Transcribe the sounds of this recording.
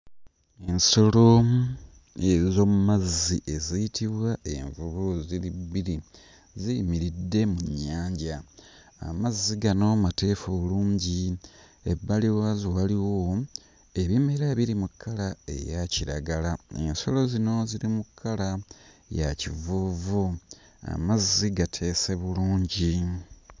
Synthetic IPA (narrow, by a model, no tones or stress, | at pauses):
e̞nso̞lo̞ | ezo̞mumaziʔe̞zijitʰiβwaʔe̞̰ɱvuβuziɾibːiɾi | zimiɾidːe̞muɲːaːɲɟa | a̰mazːiɡano̞mate̞ːfoluːɲɟi | ebːaliwazowaliwo̞ | e̞βime̞ɾaβiɾimukʰːalae̞̰jaciɾa̰ɡalaḛnso̞lo̞zino̞ziɾimukʰːalajacivuvu | a̰maziɡatʰe̞ːse̞βuluːɲɟi